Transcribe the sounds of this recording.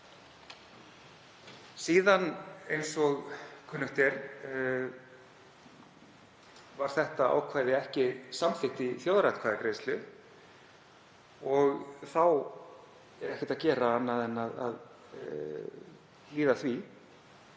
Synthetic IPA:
siːðanejnsɔɣkʰʏnːʏht̪ɛɾ | vaɾ̥θɛht̪aa̰ːwkʰvaːjðɪɛhcɪsamθɪht̪ɪθjowðɾajt̪kʰvaːjðɪkɾejst̪lʏ | ɔɣθaw | ɛɾɛhcɪt̪aðcɛːɾaːnːaðɛnːaða̰ð | liːðaθvi

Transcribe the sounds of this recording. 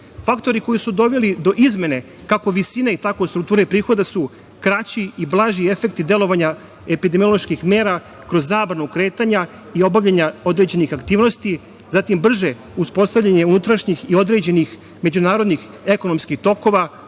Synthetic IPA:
fakt̪o̞ɾiko̞jisud̪o̞ʋe̞lid̪o̞ʔizme̞ne̞ | kako̞ʋisineit̪akojst̪ɾuk̚t̪uːɾeipɾiːxo̞d̪asu | kɾat͡ɕiiblˠaʒie̞fe̞kt̪id̪e̞lˠo̞ʋaɲa | epid̪emiolˠo̞ʃkixme̞ːɾa | kɾo̞zːaːbɾanukɾe̞ːt̪aɲa | io̞baʋʎaɲao̞d̪ɾed͡ʑe̞nixakt̪iːʋno̞st̪i | zat̪imbr̩ʒe | uspo̞st̪aʋʎʲaɲe̞unut̪ɾaʃɲixio̞d̪ɾe̞ːd͡ʑe̞nix | me̞d͡ʑunaːɾo̞d̪nix | e̞kono̞mskixt̪o̞ko̞ʋa

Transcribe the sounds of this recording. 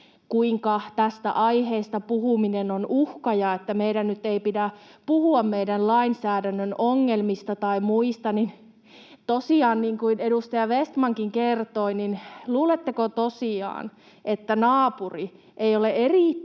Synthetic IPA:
kuiŋkɑt̪æst̪æ̰ʔɑiheːst̪ɑpuhuminenonuhkɑjɑet̪ːæmeiɾænnyt̪eipidæpuhuɑmmeidænlɑinsæːdænːønoŋːelmist̪ɑt̪ɑimuist̪ɑnin | t̪osiɑːnniːŋkuinedust̪ɑjɑʋest̪mɑŋkiŋkert̪oininluːlet̪ːekot̪osiɑ̰ːn | ʔet̪ːænɑːpuri | ʔeijoleeriˑ

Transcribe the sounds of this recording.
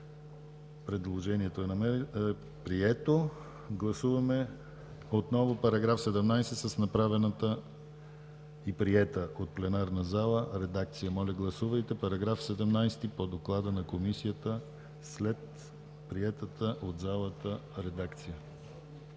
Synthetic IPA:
pɾɛd̪lˠoʒɛniɛt̪oɛnɐmɛɛ | pɾiɛt̪o | ɡlˠɐsuvɐmɛ | ot̪nɔvopɐɾɐɡɾafsɛd̪ɛmnajsɛt̪səsnɐpɾavɛnət̪ə | ipɾiɛt̪əʔot̪̚plɛnaɾnəzalˠəɾɛd̪akt̪sijəmɔlʲɐɡlˠɐsuvɐjt̪ɛpɐɾɐɡɾafsɛd̪ɛmnajst̪ipod̪oklˠad̪ənɐkomisijət̪ə | slɛt̪ | pɾiɛt̪ət̪əʔod̪zalˠət̪ə | ɾɛd̪akt̪sijə

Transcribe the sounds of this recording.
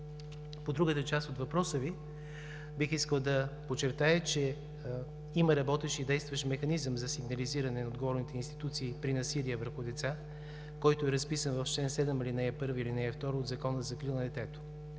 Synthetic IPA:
pod̪ɾuɡət̪ət͡ʃast̪ot̪vɐpɾɔsəvi | bixiskəlˠd̪ɐpot͡ʃːɛɾt̪ajət͡ʃɛ | iməɾɐbɔt̪ɛʃid̪ɛjst̪vɐʃmɛxɐnizəmzɐsiɡnɐliziɾɐnɛnɐod̪ɡovɔɾnit̪ɛinst̪i̥t̪ut̪siːpɾinɐsiliəvəɾxʊd̪ɛt̪sa | kɔjt̪oɛɾɐspisənvɐft͡ʃlɛnsɛd̪ɛmilinɛɛpɤɾvilinɛjɛft̪ɔɾoːd̪zɐkɔnəzɐkɾilˠnɐd̪ɛt̪ɛt̪o̥

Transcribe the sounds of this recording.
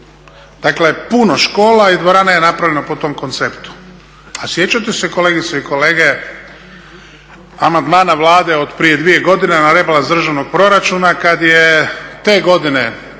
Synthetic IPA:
d̪̥akle̞puno̞ʃko̞ːlaid̪ʋoɾaːnajenapɾaʋʎʲe̞nopo̞t̪o̞mko̞nt̪sept̪u̥ | asje̞t͡ɕat̪eseko̞leɡit̪seiko̞le̞ːɡe | amand̪maːnaʋlˠaːd̪e̞od̪pɾije̞d̪ʋije̞ɡo̞d̪inenaɾe̞balazd̪r̩ʒaʋno̞ɡ̚pɾo̞ɾat͡ʃunakad̪jet̪e̞ːɡo̞d̪ine̞

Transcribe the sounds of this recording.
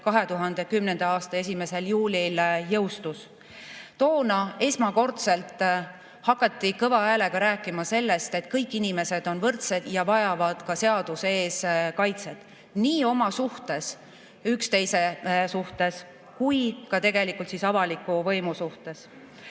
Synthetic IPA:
kɑɦe̞t̪uɦɑnd̪e̞kymnend̪̥ɑɑːst̪ɑe̞s̬ʲime̞se̞ljuːlʲiljɤwst̪us | t̪o̞ːnɑe̞smɑko̞rt̪se̞lt̪ˑ | hɑkːˑɑt̪ːikɤvɑæːle̞ɡ̥ɑɾæːkːˑimɑse̞lːe̞st̪e̞t̪kɤjkːˑinime̞se̞d̪̥o̞nvɤrt̪sed̪̥jɑvɑjɑvɑd̪̥kɑse̞ɑd̪̥use̞ːskɑjt̪se̞t̪ˑ | niːo̞mɑsuht̪e̞s | ykst̪e̞jse̞suht̪e̞s | kujkɑt̪e̞ɡ̥e̞likːˑult̪sisɑvɑlikːˑuvɤjmusuht̪e̞s

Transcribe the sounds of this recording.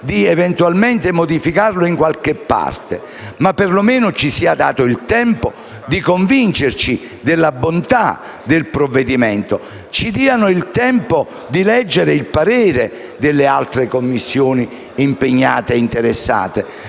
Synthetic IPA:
d̪iɛvɛnt̪ualment̪emod̪ifikarloiŋkwalkɪpːa̰rt̪e | mapːerlomeːnʊt͡ʃisiːad̪a̰ːt̪ʊilt̪ɛmpo | d̪ikoɱvint͡ʃert͡ʃi | d̪elːabont̪a̰ | d̪elpɾovːed̪imɛnt̪o | t͡ʃid̪iːanʊilt̪ɛmpo | d̪ilɛd͡ʒːeɾeilpaɾɛːɾe | d̪elːealt̪ɾekomːisːjoːni | impeɲːaːt̪eint̪eɾesːa̰ːt̪e

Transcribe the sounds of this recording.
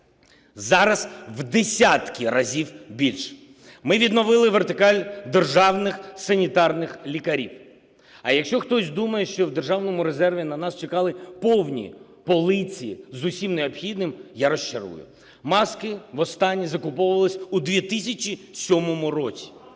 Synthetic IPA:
zɑɾɐzʋd̪esʲat̪kʲiɾɐzʲiwbʲilʲʃ | mɪʋʲid̪nɔʋɪlˠɪʋert̪ɪkɑlʲd̪erʒɑwnɪxsɐnʲit̪ɑrnɪxlʲikɐɾʲiw | ɐjɐkʃt͡ʃɔxt̪ɔsʲd̪umɐjɛʃt͡ʃɔwd̪erʒɑwnɔmʊɾezɛrʋʲinɐnɑst͡ʃekɑlˠɪpɔwnʲḭ | pɔlˠɪt͡sʲijḭzʊsʲimneɔpxʲid̪nɪmjaɾɔʃt͡ʃɐɾṵjʊ̰ | mɑskɪʋɔst̪ɑnʲːizɐkʊpɔʋʊʋɐlˠɪsʲud̪ʋʲit̪ɪsʲɐt͡ʃisʲɔmɔmʊrɔt͡sʲi̥

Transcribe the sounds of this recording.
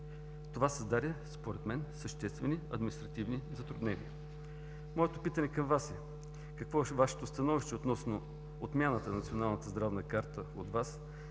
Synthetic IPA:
t̪ovasəzd̪aɾʲəspoɾɛt̪mɛnsəʃt̪ɛst̪vɛniɐd̪minist̪ɾɐt̪ivnizɐt̪ɾʊd̪nɛnḭə | mɔɛt̪opit̪ənɛkɐmvasɛ | kɐkvɔvaʃɛ̥t̪ost̪ɐnɔviʃt̪ɛot̪nɔsno | ot̪mʲjanət̪ənɐt̪sionalˠnət̪əzd̪ɾavnəkaɾt̪əod̪vas

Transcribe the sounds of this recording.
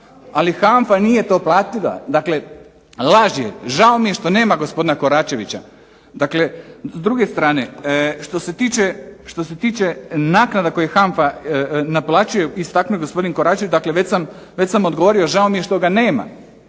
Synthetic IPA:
alixaɱfanije̞t̪o̞ːplˠaːt̪ila̰d̪akle̞ | lˠaʒjḛʒao̞mije̞ʃt̪o̞ne̞ːmaɡo̞spo̞d̪inako̞ɾaːt͡ʃe̞ʋit͡ɕa̰ | d̪akle̞zd̪ɾuɡe̞st̪ɾaːne̞ʃt̪o̞se̞t̪iːt͡ʃe̞ʃt̪o̞se̞t̪iːt͡ʃenaːknad̪ako̞jexaɱfanaplˠaːt͡ʃuje̞ist̪aknujeɡospo̞d̪inko̞ɾaːt͡ʃeʋit͡ʃd̪akle̞ʋe̞sam | ʋe̞t͡ɕsamo̞d̪ɡoʋo̞ɾio̞ʒao̞mije̞ʃt̪o̞ɡaneːma̰

